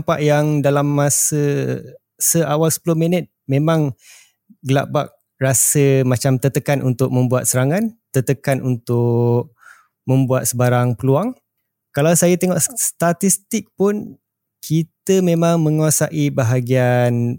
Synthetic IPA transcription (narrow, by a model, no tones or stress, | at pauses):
mpa̰ʔjaŋdalamːasə | səʔawalsə̥pulʊminət̪̚mẽmãŋ | ɡla̰ʔbak̚ | rasəmat͡ʃamt̪ət̪əkanʔunt̪ʊk̚mə̃mbuat̪̚səɾaŋãnt̪ət̪əkanʔunt̪ʊk̚ | mə̃mbuat̪̚səbaɾaŋpəluaŋ | kalawsajat̪eŋɔʔst̪at̪ist̪ik̚pʊn | kʰit̪əmẽmaŋmə̃ŋuasaʔibaɦaɡian